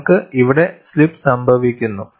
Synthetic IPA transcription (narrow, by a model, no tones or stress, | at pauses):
kɨiʋiɽe̞slipːsɐmbʱɐʋikʲːunːu